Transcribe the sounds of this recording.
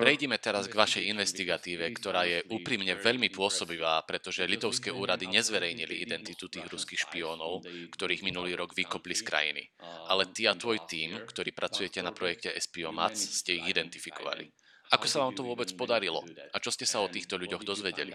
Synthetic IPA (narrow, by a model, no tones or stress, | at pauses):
pɾɛjɟɛmɛt̪ɛɾazɡʋaʃɛjinʋɛst̪iɡat̪iːʋɛkt̪ɔɾaːjɛʔuːpɾiːmɲɛʋɛʎmipʊɔsɔbiʋaːpɾɛt̪ɔʒɛʎit̪ɔʊskɛːʔuːɾad̪iɲɛzʋɛɾɛjɲiliʔid̪ɛnt̪it̪ut̪iːɣɾuskiːxʃpiɔːnɔʊkt̪ɔɾiːɣminuliːɾɔɡʋikɔpliskɾa̰jḭnḭʔalɛt̪iat̪ʋɔjt̪iːmkt̪ɔɾiːpɾʔat͡sujɛcɛnapɾɔjɛkcɛɛspiɔma̰t͡sscɛiɣid̪ɛnt̪ifikɔʋa̰lḭ | akɔsaʋaːmt̪ɔʋʊɔbɛt͡spɔd̪aɾilɔ̰at͡ʃɔscɛsaɔt̪iːxt̪ɔʎuɟɔɣd̪ɔzʋɛɟɛlḭ